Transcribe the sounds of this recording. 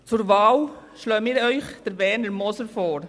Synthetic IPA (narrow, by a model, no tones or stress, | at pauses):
t͡suɾvɑːw | ʃløːəmiːɾœʏχd̥əɾbɛːnəɾmɔsəɾfɔːɾ